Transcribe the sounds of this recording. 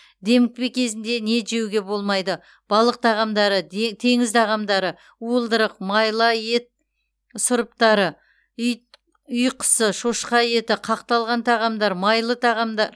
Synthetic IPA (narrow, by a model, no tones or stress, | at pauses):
d̪e̞mɪk̚pekʲʰe̞zɪnd̪ene̞ʒe̞wɡʲe̞bo̞lˠmɑjd̪ə | b̥ɑlˠəq̚t̪ʰɑʁɑmd̪ɑɾət̪ʰe̞ŋɪzt̪ʰɑʁɑmd̪ɑɾə | uəlˠd̪əɾəqmɑjlˠɑje̞t̪̚ | sʊɾəp̚t̪ɑɾə | ʏj | ʏjqʰə̥səʃoʃqɑje̞t̪ɪqʰɑqt̪ɑlˠʁɑnt̪ʰɑʁɑmd̪ɑɾmɑjlˠət̪ʰɑʁɑmd̪ɑɾ